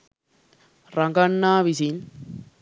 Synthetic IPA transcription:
ɾɐŋɡɐɳːaːʋisin

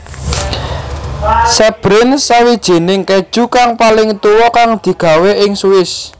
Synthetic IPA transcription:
sɛb̥ɾɪnsawid̥ʒ̥e̤nɪŋked̥ʒ̥ukaŋpalɪŋt̪uwɔkaŋd̪̥i̤ɡ̥a̤weʔɪŋsuɪs

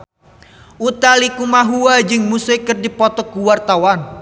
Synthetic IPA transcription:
ʔut̪alikumaɦuwad͡ʒɨŋmusɪkərdipɔt̪ɔkuwart̪awan

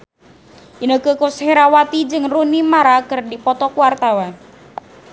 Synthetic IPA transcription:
ʔinəkəkusheɾawat̪id͡ʒɨŋrunimaɾakərdipɔt̪ɔkuwart̪awan

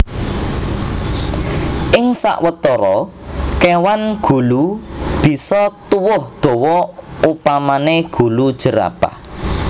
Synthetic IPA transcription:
ʔɪŋsa̰ʔwət̪ɔɾɔ | kewanɡ̥ṳlub̥i̤sɔt̪uwʊhd̪̥ɔ̤wɔupamaneɡ̥ṳlud̥ʒ̥ə̤ɾa̰pa̰

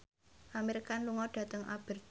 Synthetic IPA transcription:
ʔameɾikanluŋɔɖ̥ä̤t̪əŋʔa̰b̥ə̤r

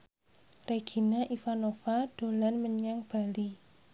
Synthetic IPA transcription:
reɡ̥i̤naʔifanofad̥o̤lanməɲaŋb̥a̤li

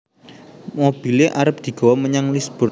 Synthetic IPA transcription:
mob̥i̤leʔaɾəp̚d̪̥i̤ɡ̥ɔ̤wɔməɲaŋlisb̥ʊr

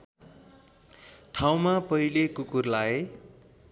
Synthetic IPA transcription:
ʈʰaw̃mapʌilekukurlae

